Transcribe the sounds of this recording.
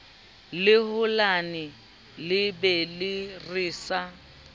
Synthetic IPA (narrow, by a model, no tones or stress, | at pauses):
lɪhʊlanɪ | lɪbɛlɪrɪːsa